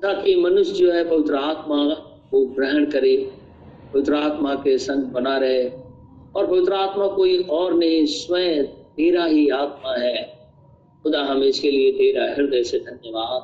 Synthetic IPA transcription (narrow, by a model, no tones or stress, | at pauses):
t̪aːkimɐnʊʃd͡ʒoːɦɛpɐʋɪt̪ɾəaːt̪ma | kobɾɛːɳɖkɐɾi | pɐʋɪt̪ɾəaːt̪makesɐ̃ŋɡ̚bɐnaɾɐɦe | ɔːɾpɐʋɪt̪ɾəaːt̪makoːiʔɔːɾnɐɦĩswə̃t̪eːɾaɦiaːt̪̚maɦɛː | xʊd̪aɦɐmẽɪskeliet̪eːɾaɦɪɾd̪eːsed̪ʱɐnjəʋaːd̪̚